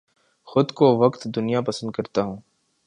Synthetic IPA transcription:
xʊd̪koʋəkt̪d̪ʊnijapəsə̃nd̪̚kɐɾt̪aːɦũː

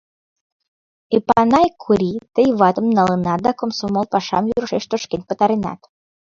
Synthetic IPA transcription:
epanɑjkʰuɾit̪əjβɑt̪əmnɑlˠənɑt̪̚d̪akomsomolˠpɑʃɑ̰mjuɾʃeʃt̪oʃkenʲpət̪aɾinɑ̰t̪

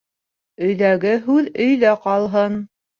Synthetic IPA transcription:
ɵ̆jðæɡɘɦʉðɵ̆jðæqɑlˠɦɤn

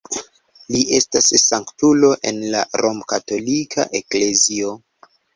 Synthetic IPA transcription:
liʔe̞stasːaŋktulo̞ʔe̞̰nla̰ɾo̞mkato̞likʰa̰ʔe̞kle̞zio̞

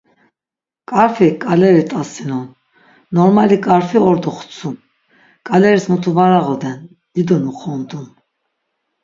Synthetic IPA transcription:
kʼaɾfikʼalɛɾit̪ʼasinɔnː | ɔɾmalikʼaɾfiɔɾd̪ɔχt͡sʰun | kʼalɛɾismut̪ʰuvaɾaʁɔd̪ɛn | d̪id̪ɔnuχɔnd̪un

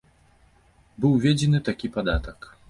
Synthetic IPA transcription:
bɨwvʲed͡zʲɛnɨt̪akʲipad̪at̪ɐk

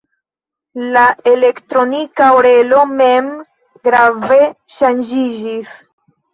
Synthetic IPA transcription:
laele̞ktɾo̞nikaoɾe̞lo̞mem | ɡɾave̞ | ʃand͡ʒid͡ʒis

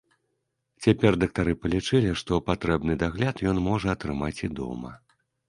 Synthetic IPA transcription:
t͡sʲapʲɛrd̪ɐk̚t̪aɾɨpɐlʲit͡ʂɨlʲiʂt̪ɔpat̪ɾɛbnɨd̪aɣlʲat̪jɔnmɔʐɐːt̪ɾɨmat͡sʲid̪ɔ̰mɐ̰

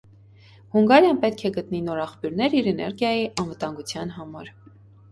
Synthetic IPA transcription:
huŋɡɑɾjɑnpɛt̪kʰɛɡət̪ninɔɾɑχpjuɾnɛɾiɾɛnɛ̰ɾɡjɑjiʔɑnvət̪ɑŋɡut͡sʰjɑnɦɑmɑɾ

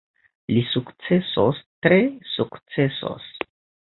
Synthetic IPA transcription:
lisukt͡se̞so̰stɾe̞sukt͡se̞so̰s

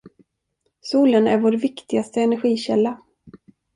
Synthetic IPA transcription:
suːlənæ̰ɾvoːɾvɪkt̪ɪɡast̪əɛnæɾɧiːɕɛlːa

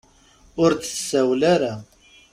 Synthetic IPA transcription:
ʊɾd̪ə̥sːæwlæɾa

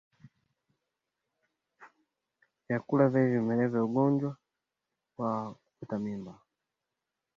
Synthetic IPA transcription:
jjakulavaivimɛlɛvɛuɡɔnd͡ʒwa | wakukutamimba

